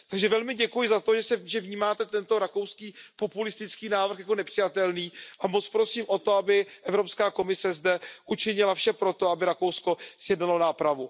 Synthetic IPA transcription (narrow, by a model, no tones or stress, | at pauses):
t̪aɡʒɛvɛlmɪɟɛkujɪzat̪oʒɛsɛvʒɛvɲiːmaːt̪ɛt̪ɛnt̪o̞ɾako̞wskiːpo̞pulɪst̪ɪt͡skiːnaːvr̩xjako̞nɛpr̥ɪjat̪ɛlniːʔamot͡spɾo̞siːmʔo̞t̪o̞abɪʔɛvɾo̞pskaːko̞mɪsɛzdɛʔut͡ʃɪɲɪlafʃɛpɾo̞t̪o̞abɪɾako̞wsko̞sjɛdnalo̞naːpɾavu